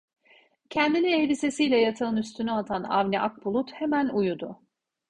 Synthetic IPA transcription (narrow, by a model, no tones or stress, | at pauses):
cʰɛnd̪iniebise̞sijlʲɛjat̪ʰaɯnyst̪ʰynyat̪ʰana̰vnɛʔak̚bulˠut̪he̞mænujud̪ʊ